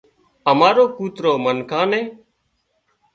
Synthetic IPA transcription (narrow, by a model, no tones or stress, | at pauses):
əmaːɾoːkuːt̪ɾoːmənkʰãːnẽː